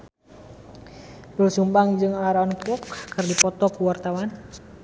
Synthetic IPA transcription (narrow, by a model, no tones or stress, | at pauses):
bulsumbaŋd͡ʒɨŋaɾanpɔkːɨrdipɔt̪ɔkuwart̪awan